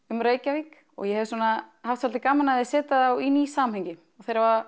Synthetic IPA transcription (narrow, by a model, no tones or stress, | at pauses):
ʏmɾeːjcavik | ɔ̰ɣjɛhɛvɪswuːnahaft̪salt̪ɪkaːmanaðɪsɛːt̪aðawinisaːmhɛjɲcɪ | ɔɣθejɾava